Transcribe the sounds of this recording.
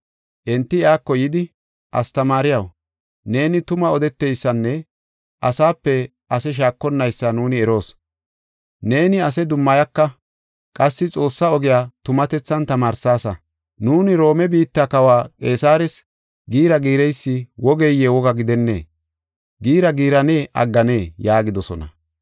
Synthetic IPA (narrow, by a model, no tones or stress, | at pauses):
ʔɛnt̪ːɪɪaːkːɔjɪd̪ɪ | ʔɐ̰st̪ɐmaːɾɪjɐw | ne̞ːnɪt̪ʊmɐɔd̪ɛt̪ːejsːɐnːɛ | ʔɐsaːpːɛ | ʔɐsɛʃ̬aːkːɔnːɐjsːɐnuːnɪɛɾo̞ːs | ne̞ːnɪɐs̬ɛd̪ʊmːɐjɐkːɐ | kʼɐsːɪt͡sʼo̞ːsːɐɔɡɪjaːt̪ʊmɐt̪ɛt͡sːɐnt̪ɐmaːɾsaːsɐ | nuːnɪɾo̞ːmɛbiːt̪ːɐkɐwaːkʼe̞ːsaːɾɛs | ɡiːɾɐɡiːɾɛjsːɪwɔɡejewɔɡɐɡɪd̪ɛnːḛː | ɡiːɾɐɡiːɾɐne̞ːʔɐ̰ɡːɐne̞ːjaːɡɪd̪ɔsɔ̰nɐ̰